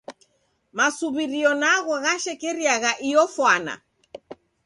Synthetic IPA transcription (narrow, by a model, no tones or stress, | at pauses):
masuβiɾiɔnaɣɔɣaʃɛkɛɾiaɣaʔijɔfwana̰